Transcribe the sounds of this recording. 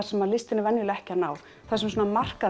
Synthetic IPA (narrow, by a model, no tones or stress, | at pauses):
sɛmaðlɪst̪ɪnɪvɛnjʏlɛhcɪanaːw | θaðsɛmsoːnamar̥ka